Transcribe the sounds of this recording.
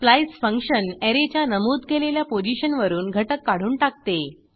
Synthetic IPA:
plajsfəŋkɕəneɾet͡ɕjanəmuːd̪keleljapod͡ʑiɕənʋəɾuːnɡʱəʈəkːaɽ̤uːnʈak̚t̪e

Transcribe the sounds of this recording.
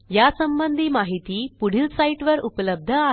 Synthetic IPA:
jasəmbənd̪ʱiːmaɦit̪iːpuɽ̤ilsaiʈʋəɾupləb̚d̪ʱəa

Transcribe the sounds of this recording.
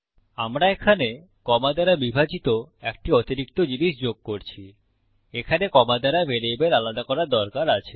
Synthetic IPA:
amɾaekʰane | kɔmad̪aɾabibʱad͡ʑit̪oek̚ʈiot̪iɾik̚t̪od͡ʑiniʃd͡ʑoɡ̚koɾt͡ɕʰi | ekʰanekɔmad̪aɾabʱeɾejbeɾalad̪akɔɾaɾd̪ɔɾkaɾat͡ɕʰe̥

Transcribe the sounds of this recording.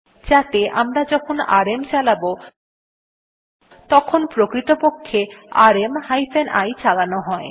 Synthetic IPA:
d͡ʑat̪eʔamɾad͡ʑɔkʰona̰ɾemt͡ɕalabo | t̪ɔkʰonpɾokɾit̪opokʰːeaɾemhajfʰenʔa̰jt͡ɕalanoɦɔe

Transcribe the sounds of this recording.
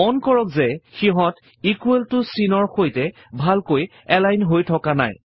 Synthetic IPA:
ɔnkɔɹɔkzɛxiɦɔ̃t | ikueltʊsinɔɹxojtɛ | bʱalkoj | ɛlajnɦojtʰɔkana̰j

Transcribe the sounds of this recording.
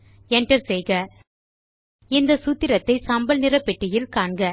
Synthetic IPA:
ɛɳʈɐɾsɛjɣɐ | ɪnd̪ɐsut̪ːɪɾɐt̪ːɐɪsɐmbɐlnɪrɐpːɛʈːɪjɪlkaːɳɡɐ

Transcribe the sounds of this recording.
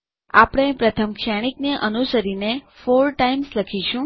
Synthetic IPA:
apɽ̃epɾət̪ʰəmkʃaɽ̃ikneʔənusəɾinefoɾʈaimsləkʰiʃũ

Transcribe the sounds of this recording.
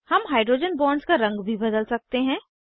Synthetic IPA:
hɐmɦaːɪɖɾoːd͡ʒənbɔ̃ːnɖskaɾɐ̃ŋɡbʱibɐd̪əlsɐk̚t̪eɦɛ̃ː

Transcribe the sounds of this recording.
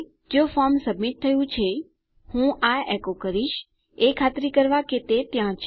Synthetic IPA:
d͡ʒofɔɾmsəbmit̪̚t̪ʰːəjũt͡ʃʰe | hũʔaɛkokəɾiʃ | ekʰat̪ɾikəɾʋaket̪et̪jãt͡ʃʰ

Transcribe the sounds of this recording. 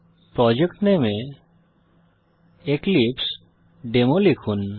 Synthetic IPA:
pɾɔd͡ʒekʈneme | eklips | ɖemolikʰun

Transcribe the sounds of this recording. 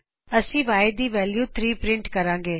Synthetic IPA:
əsĩːʋaːed̪iːʋɛːljuːt̪ʰɾiːpɾɪ̃ɳʈkəɾãːŋɡeː

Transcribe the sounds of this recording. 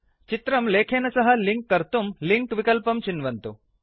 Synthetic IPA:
t͡ʃit̪ɾɐmleːkʰeːnɐsɐɦɐ̆liŋkːɐɾt̪umliŋkʋikɐlpɐmt͡ʃinʋɐnt̪u

